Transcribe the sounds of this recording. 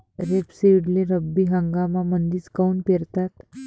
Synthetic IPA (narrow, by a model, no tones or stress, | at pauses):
ɾepseiɽleɾəbːiɦə̃ŋɡamamənd̪iːt͡skaunpeɾt̪at̪